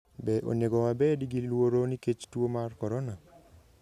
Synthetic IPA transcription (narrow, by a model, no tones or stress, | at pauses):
bɛʔo̰njeɡɔwabɛdiɡilwoɾoniket͡ʃtwomarkɔɾɔnɔ